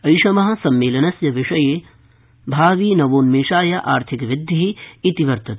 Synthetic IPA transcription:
ɐjʃɐmɐɦɐ̆sɐmːeːlɐnɐsjɐʋɪʂɐjeː | bʱaːʋiːnɐʋoːnmeːʂaːjɐʔaːɾt̪ʰikʋɪd̪ʱːiɦiit̪iʋɐɾt̪ɐt̪

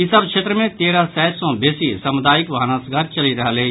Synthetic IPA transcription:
ɪsəbkʃeːt̪ɾəmẽt̪eːɾasɛːt̪sɔ̃beːsisɐmʊd̪aːjɪkʋɐɦaːnaːsɡaːɾt͡ʃɐliɾɐɦəle

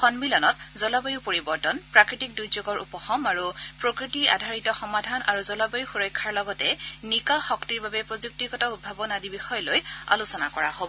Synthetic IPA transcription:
xɔnmilɔnɔt̚zɔlabɔjupoɹibɔɹtɔnpɹakɹitik̚dujzoɡɔɹʔupɔxɔmaɹupɹokɹitia̰dʱaɹitɔxɔmadʱana̰ɹuzɔlabɔjuxuɹɔjkʰːaɹlɔɡɔtɛnikaxɔktiɹbabɛpɹozuk̚tikɔtaut̚bʱabɔnadibixɔjɔloja̰lusɔna̰kɔɹaɦobɔ

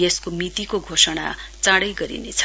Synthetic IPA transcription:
jeskomit̪ikoɡʱosʌɽ̃a̰t͡saɽʌjɡʌɾḭnḛt͡sʰʌ̥

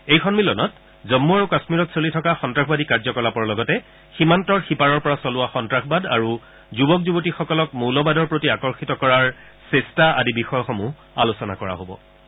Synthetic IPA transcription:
ejkʰɔnmilɔnɔt | zɔmːuaɹukasmiɹɔtsolitʰɔkaxɔntɹaxbadikaɹzɔkɔlapɔɹlɔɡɔtɛ | ximantɔɹxipaɹɔɹpɔɹasɔlʊwaxɔntɹaxbada̰ɹu | zubɔkzubotixɔkɔlɔkmulɔbadɔɹpɹotiakɔɹxitɔkɔɹaɹ | sɛstaa̰dibixɔjɔxɔmu | alusɔna̰kɔɹa̰ɦobɔ̰

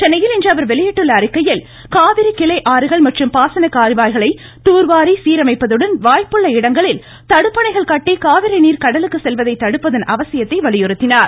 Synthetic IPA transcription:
t͡ʃɛnɐjɪlɪndrɐʋɐɾʋɛɭɪjɛʈːɯɭːɐːɾɪkːɐjɪl | kaːʋɪɾɯkɪlɐɪʔaːɾɯɣɐɭmɐʈrɯmpaːsɐnɐkaːɾɯbaːjɣɐɭɐɪ | t̪uːɾʋaːɾisiːɾɐmɐɪpːɐðɯɽɐnʋaːjpɯɭːɐɪɽɐŋɡɐɭɪl | t̪ɐɽɯpːɐɳɐɪɣɐɭkɐʈːikaːʋɪɾɐɪniːɾkɐɽɐlɯkːɯsɛlʋɐðɐɪt̪ːɐɽɯpːɐðɐnʔɐʋɐsɪjɐt̪ːɐɪʋɐɭɪjɯɾɯt̪ːɪnaːɾ

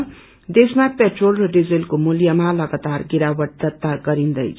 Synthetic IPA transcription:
d̪esmapeʈrolrʌɖid͡zilkomuljamalʌɡat̪arɡiɾawʌʈ̚d̪ʌt̪ːaɡʌɾind̪ʌjt͡sʰ

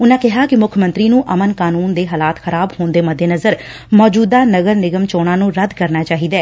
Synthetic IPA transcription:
ʊnãːkɪɦaːkɪmʊkʰmə̃nt̪ɾiːnũːʔəmənkaːnuːnd̪eːɦaːlaːt̪xəɾaːbhoːnd̪eːməd̪ʱːeːnəzəɾ | mɔːd͡ʒuːd̪aːnəɡəɾnɪɡəmt͡ʃoːɽãːnũːɾəd̪kəɾnaːt͡ʃaːɦiːd̪ɛː

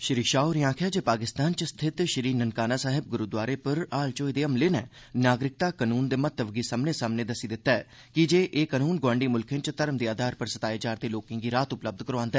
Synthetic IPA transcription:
ʃɪɾiːʃaːoɾɪjãːkʰjaːd͡ʒeːpaːkɪst̪aːnt͡ʃəst̪ʰɪt̪ʃəɾiːnənkaːnaːsaːɦɪb̚ɡʊɾud̪waːɾeːpəɾaːlt͡ʃoːid̪eːəmleːnɛː | naːɡɾɪk̚t̪aːkaːnuːnd̪eːmət̪ːəʋɡiːsaːmneːsaːmneːd̪əsiːd̪ɪt̪ːaɛ | kɪd͡ʒeːʔeːkaːnuːnɡwãːɳɖiːmʊlkʰɪ̃nt͡ʃət̪əɾəmd̪iːaːd̪ʱaːɾpəɾsət̪aːjed͡ʒaːɾd̪eːloːkɪ̃ŋɡiːɾaːt̪ʊpləb̚d̪kəɾoʋãːnd̪ɛː

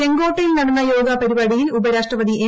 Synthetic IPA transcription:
eŋɡoːʈːɐjilnɐɽɐnːɐjoːɡɐpɐɾibaːɽijilubɐɾaːʂʈrɐʋɐd̪iʔe

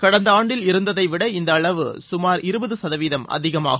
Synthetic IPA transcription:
kɐɽɐnd̪ɐaːɳɖɪlɪɾɯnd̪ɐðɐɪʋɪɽɐɪnd̪ɐːɭɐʋɯ̰sʊmaːɾɪɾɯbɐðɯsɐðɐʋiːðɐmɐ̰ðɪɣɐma̰ːɣɯ

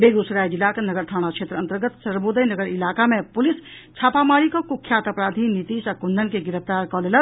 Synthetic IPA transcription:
beːɡusɾaːjd͡ʒɪlaːknɐɡəɾt̪ʰaːɽ̃akʃeːt̪ɾəɐ̃nt̪əɾɡət̪səɾboːd̪əjnəɡəɾɪlaːkamẽpʊlɪst͡ʃʰaːpaːmaːɾikokʊkʰːjaːt̪ɐpɾaːd̪ʱinɪt̪iːʃɐkʊnd̪ənkeɡɪɾəft̪aːɾkɔːleləɾ

